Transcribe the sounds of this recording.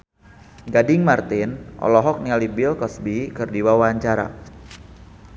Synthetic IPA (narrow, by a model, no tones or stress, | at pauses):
ɡadɪŋmart̪ɪnʔɔ̰lɔɦɔk̚nialibɪlkɔsbikɨrdiwawaaɲt͡ʃaɾa̰